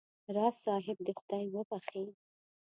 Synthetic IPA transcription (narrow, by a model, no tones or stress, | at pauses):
ɾɑsɑɦɪb̚d̪əxʊd̪ajwəbaxe